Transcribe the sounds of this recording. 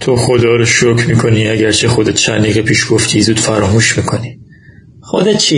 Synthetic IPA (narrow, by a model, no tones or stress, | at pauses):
t̪ʰoxod̪ɒːɾoʃokʰmiːkʰo̞niæɟæɾt͡ʃʰe̞xo̞d̪et̪̚ʰt͡ʃʰænd̪iːɣepʰiːʃɡ̥oft̪ʰizuːd̪̥fæɾɒːmuːʃmiːkʰo̞ni | xod̪et̪t͡ʃʰi